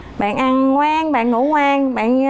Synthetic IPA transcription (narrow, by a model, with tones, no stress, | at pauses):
ɓa̰ː˧˨nʔa˧nŋwaː˧ŋɓa̰ː˧˨nŋu˧˥˦ŋwaː˧ŋɓa̰ː˧˨n